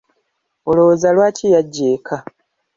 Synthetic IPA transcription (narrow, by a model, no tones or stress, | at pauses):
oloozalwaːcijaɟːeːkʰa